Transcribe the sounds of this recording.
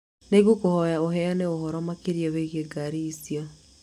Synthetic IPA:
neɣukohɔjaoɦɛjaneohɔɾɔmakeɾjaweɣeɡaɾiːsiɔ

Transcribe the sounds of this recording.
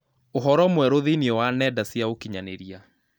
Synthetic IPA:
oɦɔɾɔmwɛɾoðeniɔwanɛdasjaokiɲaneɾia

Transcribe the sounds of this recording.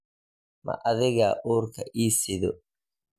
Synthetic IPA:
mɐ̰ʔɐðɪɣaːʔuːrkʰɐʔiːsɪðɔ

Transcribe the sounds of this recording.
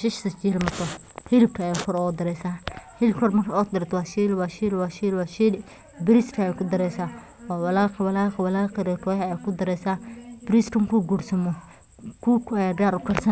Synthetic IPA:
ʃɪʃsɐt͡ʃilmɐt̪ʰɔ | hɪlɪb̚kʰɐːjakʰɔɾɔːd̪ɐɾɛːsaːhɪlkʰɔɾmɐrkʰaɔd̪ɐɾɛt̪waːʃilwaːʃiːlwaːʃiːlwaːʃil | bɪɾiskʰɐjɛkʰʊd̪ɐɾɛːsaː | waːwɐlaːqwɐlaːqwɐlaːqɛɾɛkɔhɛkʰʊd̪ɐɾɛːsaːb̥ɾiskɐmɐkʰuːɡuːɾsɐmɔ | kuːkʰʊɐjaːdaːɾʊkɐrsɐn

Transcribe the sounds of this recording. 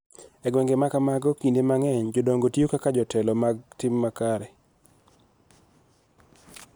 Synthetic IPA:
ɛɡwɛŋɡemakamaɡɔkindemaŋɛɲd͡ʒɔdoŋɡotjokakad͡ʒɔtɛlɔmaɡ̚timːakaɾɛ

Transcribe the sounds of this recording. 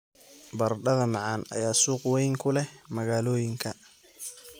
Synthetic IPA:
bɐrɖɐðɐmɑʕɑːnɐ̰jaːsuːqwɛjŋkʰʊlɛhmɐɣaːlɔːjɪŋkʰɐ

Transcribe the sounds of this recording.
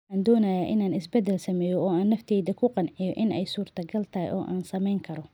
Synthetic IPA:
ħaːnd̪ɔːnɐjaːʔɪnaːnɪsbɛd̪ɛlsɐmɛːjɔɔːaːnːɐft̪ʰɛːjðɐkʰʊqɑnʕɪjɔʔɪnɛjsuːrt̪ʰɐɡɐlt̪ʰɐɦɛ̰jʔɔ̰ːʔaːnsɐmɛjŋkʰɐɾɔ

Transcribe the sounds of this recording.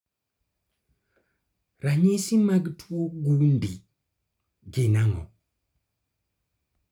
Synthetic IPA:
ɾaɲisimaɡtuoɡundi | ɡenaŋo̰

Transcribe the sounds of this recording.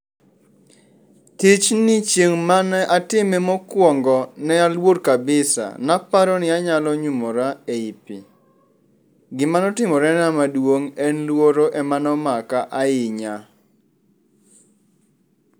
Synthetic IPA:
tɪt͡ʃnɪt͡ʃjeŋmanɛʔatɪmɛmɔkwɔŋɡɔnɛalwoɾkabɪsa̰napaɾɔnɪaɲalɔɲumɔɾaeipɪ̰ | ɡɪmanɔtɪmɔɾɛnamadwoŋɛnlwoɾoʔɛmanɔmakaʔaɪɲa

